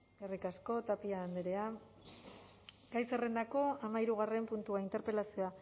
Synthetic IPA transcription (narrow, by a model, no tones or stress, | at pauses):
bearikasko̞t̪apiaːnd̪eɾe̞a | ɡajsere̞nd̪ako̞amaiɾuɣ̞are̞mpunt̪uaint̪eɾpelasioa